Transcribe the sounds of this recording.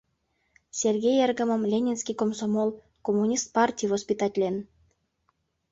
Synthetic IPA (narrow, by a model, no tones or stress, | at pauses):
sʲerɡʲejerɣə̆mə̆mlʲenʲenskʲijkomsomol | komːunʲist̪̚pɑrtʲijvospʲit̪ɑtʲlʲen